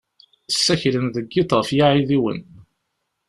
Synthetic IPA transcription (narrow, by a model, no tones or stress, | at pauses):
sːæçlənðəɡːiθʁəfjaʕiðiwə̰n